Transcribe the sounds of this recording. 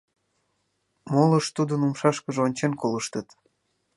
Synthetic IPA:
moləʃt̪ud̪ənumʃɑʃkəʒeonʲt͡ɕenkoləʃt̪ət̪

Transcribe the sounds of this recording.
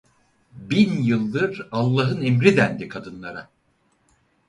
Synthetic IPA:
binjɯlˠːɯɾalˠːaɦɯnemɾid̪ænd̪ikʰad̪ɯnlˠaɾa

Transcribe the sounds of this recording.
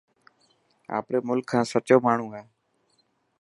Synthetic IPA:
a̰ːpɾeːmʊlkʰːãːsət͡ʃoːmaːɳ̤ũːaeː

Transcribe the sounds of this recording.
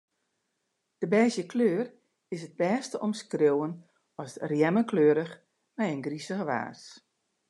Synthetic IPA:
d̥əbɛːzjəkʰløːr | ɪsəd̚bɛːstəʔɔmskrowən | ɔsrjɛməkløːɾəx | mɛjənɡrisəɣəʋa̰ːs

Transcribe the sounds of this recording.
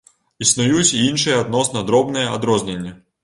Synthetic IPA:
isnʊjut͡sʲinʃɨjɐd̪nɔsnɐd̪ɾɔbnɨjɛɐd̪ɾɔzʲnʲenʲːɐ

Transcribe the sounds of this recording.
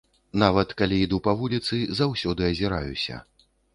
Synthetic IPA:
navɐt̪kalʲiid̪upɐvulʲit̪sɨzawsʲɔd̪ɨɐzʲiɾajṵsʲɐ̰

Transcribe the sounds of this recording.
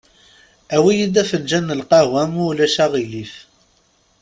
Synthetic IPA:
æwijid̪æfənd͡ʒænːəlqɑwæmulæʃæʁilif

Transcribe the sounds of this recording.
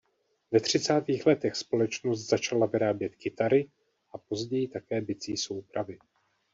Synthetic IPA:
vɛt̪r̝̥ɪt͡saːt̪iːxlɛt̪ɛxspo̞lɛt͡ʃnost̪z̥at͡ʃalavɪɾaːbjɛt̪kɪt̪aɾɪ | ʔapo̞zɟɛjɪt̪akɛːbɪt͡siːso̞wpɾavɪ

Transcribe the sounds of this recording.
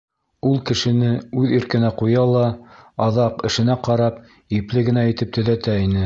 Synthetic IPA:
ulˠkɘ̆ʃɘ̆nɘʉðiɾkɘ̆næqujɑlˠɑɑðɑqɘ̆ʃɘ̆næqɑɾɑp | iplɘɡɘ̆næĭt̪ɘp̚t̪ɵ̆ðæt̪æinɘ

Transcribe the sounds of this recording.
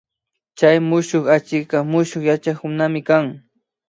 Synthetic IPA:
t͡ʃajmʊʃoχat͡ʃɪkɑmʊʃoχjat͡ʃaχʊnamɪkaŋ

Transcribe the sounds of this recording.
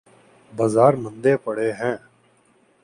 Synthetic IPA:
baːzaːɾmə̃nd̪eːpəɽeːɦɛ̃ː

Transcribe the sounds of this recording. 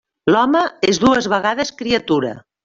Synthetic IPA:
lɔməezðuəzβəɣaðəskɾiət̪uɾə̰

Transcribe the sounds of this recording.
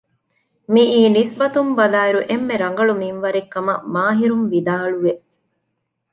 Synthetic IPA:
miʔiːnisbɐt̪umbɐlaːiɾuʔemːeɾɐŋ̆ɡɐɭuminʋɐɾekːɐmɐmaːɦiɾunʋid̪aːɭuʋeʔ

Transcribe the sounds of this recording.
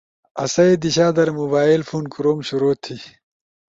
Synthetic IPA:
ɐ̰sɐed̪iɕaːd̪ɐɾmobaːilfuːnkuɾoːmɕuɾoːt̪ʰːi

